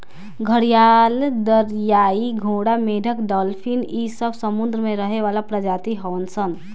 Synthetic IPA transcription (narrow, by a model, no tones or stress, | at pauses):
ɡʱəɽijald̪əɾjaiɡʱoɽameɖʱəkɖɔlpʰinisəbsəmʊnd̪ɾəmẽɾəɦeʋalapɾəd͡ʒaːt̪iɦəʋənsən